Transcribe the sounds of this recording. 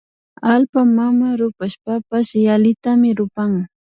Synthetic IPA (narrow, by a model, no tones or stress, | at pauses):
alpamamaɾʊpaʃpapasalɪt̪amɪɾʊpaŋ